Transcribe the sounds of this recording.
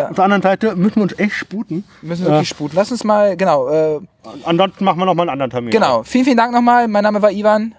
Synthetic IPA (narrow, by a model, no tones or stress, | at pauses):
ʔafd̥eɐandəʁənzaɪtəmʏsn̩viːʊnsʔɛçtʃpuːtn̩ | mʏsn̩viɪçʃpuːtn̩lasʊnsmaːlɡənaʊʔɛːʔanzɔnstn̩maχn̩viːɐnɔχmalnʔandəʁən̩tʰɛɐmiːnɡ̥ənaʊfiːln̩fiːlnd̥aŋk̚nɔχmaːlmaɪnːaːməvaːɐʔiːvan